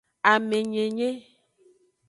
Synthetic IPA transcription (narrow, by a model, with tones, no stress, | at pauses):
a˨me˨ɲe˨ɲe˦